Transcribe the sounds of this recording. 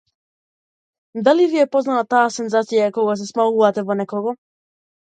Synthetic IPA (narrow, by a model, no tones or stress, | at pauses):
d̪alivijɛpɔznalat̪aːsɛnzat̪sijaɛkɔɡas̬ɛsmauvat̪ɛvɔnɛkɔɡɔ